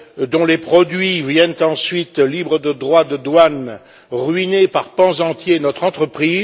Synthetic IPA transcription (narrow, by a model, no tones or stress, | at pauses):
d̪ɔ̃lepχɔd̪ɥivjɛnt̪ɑ̃sɥit̪libʁəd̪əd̪ʁwad̪əd̪wan | ʁɥinepaʁpɑ̃zɑ̃t̪jenɔt̪χɑ̃t̪χəpχiːz